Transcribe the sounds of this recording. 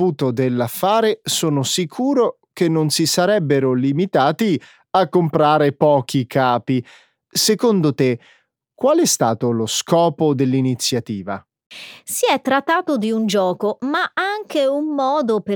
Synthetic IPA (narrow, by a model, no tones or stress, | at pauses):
uːt̪od̪elːafːaːɾesoːnosikʰuːɾo | k̟enːonsisaɾɛbːeɾolimit̪aːt̪i | akːompɾaːɾepɔːk̟ikʰaːpi | sekond̪ot̪e | kːwaːlɛst̪aːt̪oloskɔːpod̪elːinit̪sːjat̪iːva̰ | siɛt̪ːɾat̪ːaːt̪od̪iund͡ʒɔːkomaaŋkeumːɔːd̪op